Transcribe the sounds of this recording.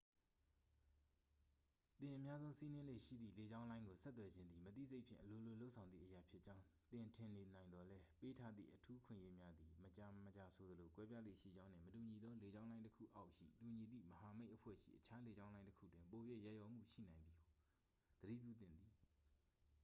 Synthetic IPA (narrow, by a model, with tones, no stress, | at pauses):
t̪ɪ̃˨ʔə˨mja˦zõ˦ʊ̃si˦nɪ̃˦lḛ˦˨ʃḭ˦˨d̪ðḭ˦˨le˨d͡ʑã˦ʊ̃lã˦ɪ̃ŋɡo˨sɛ˦t̪wɛ˨d͡ʑɪ̃˦nd̪ði˨mət̪ḭ˦˨ze˦ɪʔpʰɪ̰̃˦˨ʔəlo˨lo˨lo˦ʊʔsʰã˨ʊ̃nd̪ðḭ˦˨ʔəja˨pʰjɪ˦t͡ɕã˦ʊ̃ | t̪ɪ̃˨ntʰɪ̃˨ne˨nã˨ɪ̃nd̪ɔ˨lɛ˦pe˦tʰa˦d̪ðḭ˦˨ʔətʰu˦ʔəkʰwɪ̰̃˦˨je˦mja˦d̪i˨mət͡ɕa˨mət͡ɕa˨sʰo˨d̪əlo˨kwɛ˦pja˦lḛ˦˨ʃḭ˦˨d͡ʑã˦ʊ̃n̥ɪ̰̃˦˨mətu˨ɲi˨d̪o˦le˨d͡ʑã˦ʊ̃lã˦ɪ̃˦tə˦kʰṵ˦˨ʔʔa˦ʊʔʃḭ˦˨tu˨ɲi˨d̪ḭ˦˨məɦa˨me˦ɪʔəpʰwɛ̰˦˨ʃḭ˦˨ʔət͡ɕʰa˦le˨d͡ʑã˦ʊ̃lã˦ɪ̃təkʰṵ˦˨twɪ̃˨mpo˨je˦˨ja˦˨jɔ˦˨m̥ṵ˦˨ʃḭ˦˨nã˨ɪ̃nði˨ɡo˨ | d̪̥əɾḭ˦˨pjṵ˦˨t̪̬ɪ̰̃˦˨nd̪ði˨